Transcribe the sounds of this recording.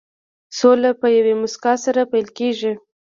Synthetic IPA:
solapəjawemʊskɑsaɾapajlkeʒi

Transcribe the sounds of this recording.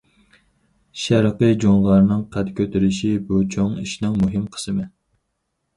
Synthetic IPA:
ʃæɾqɨd͡ʒoŋlˠɑɾnɨŋqʰæt̪kʲʰøt̪ʰɪɾɪʃibut͡ʃʰoŋiʃnɪŋmuɦɪmqʰə̥sɨmɨ

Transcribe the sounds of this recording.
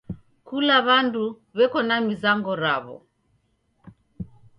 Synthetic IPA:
kulaβandu | βɛkɔnamizaŋɡɔɾa̰βɔ̰

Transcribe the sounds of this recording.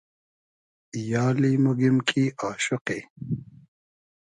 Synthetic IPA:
jɑːlimuɡimkʰiaːʃʊqe

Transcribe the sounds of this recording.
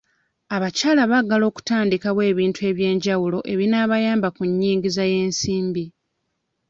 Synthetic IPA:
aβacaːlaβaɡːalo̞ːku̥taːndikaβwe̞ːβiːntue̞ːβje̞ːɲɟawulo̞ʔe̞βinaːβajaːmbakuɲːiːŋɡizaje̞ːnsiːmbi

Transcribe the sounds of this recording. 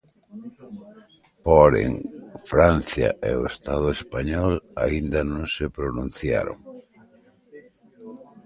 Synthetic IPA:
poɾḛŋfɾan̟θja̰ʔeoest̪að̞ʊespaɲɔlaind̪anõŋsepɾonũn̟θja̰ɾo̰ŋ

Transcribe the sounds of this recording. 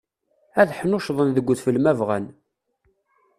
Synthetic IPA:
æðħnʊʃðˤənðəɡʷːθfəlmævʁæ̰n

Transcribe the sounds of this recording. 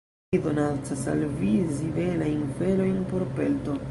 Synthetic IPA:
idonat͡sasa̰lvizivelajnfelo̞jnpo̞ɾpe̞lto

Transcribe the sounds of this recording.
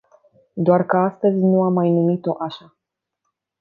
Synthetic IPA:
d̪oarkəast̪əzʲnuamːajnumit̪o̞ʔaʃa

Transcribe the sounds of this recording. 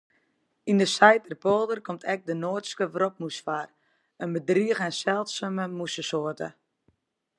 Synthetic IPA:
indəsɛjtərpoːlˠdərkomtʰɛk̚dənoːtskəvrop̚musfar | ənbədriəɣɛnsɛlˠtsəməmusəsoːtə̰

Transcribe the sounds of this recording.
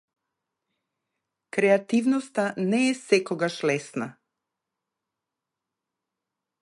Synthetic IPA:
kɾɛat̪ivnɔst̪anɛːsɛkɔɡaʃlɛsna

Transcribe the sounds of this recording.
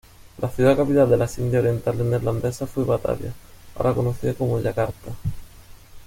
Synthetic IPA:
lʔaθjuðakapit̪ald̪e̞lasind̪jaoɾje̞nt̪aleneɾland̪esafweβat̪a̰la̰a̰o̰ɾʔakonoθiekomoeʎakaɾt̪a

